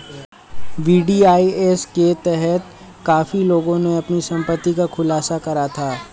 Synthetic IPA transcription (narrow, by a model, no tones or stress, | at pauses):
ʋiːɖiːaːiesket̪ɛɦɛt̪ | kaːfiloːɡõneɐpnisɐ̃mpət̪ːikakʰʊlaːsakɐɾat̪ʰaː